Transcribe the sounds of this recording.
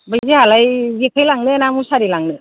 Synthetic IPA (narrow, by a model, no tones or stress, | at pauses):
bajzihalajzekʰajlaŋnɯnamusaɾilaŋnɯ